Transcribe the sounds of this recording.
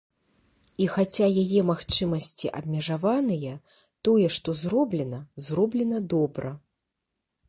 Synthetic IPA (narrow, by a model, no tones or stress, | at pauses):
ixat͡sʲajajɛmaxt͡ʂɨmɐsʲt͡sʲiʔɐ̰b̚ʲmʲɛʐavanɨjɛ | t̪ɔjɛʂt̪ɔzrɔblʲɛnɐzrɔblʲɛnɐd̪ɔbɾɐ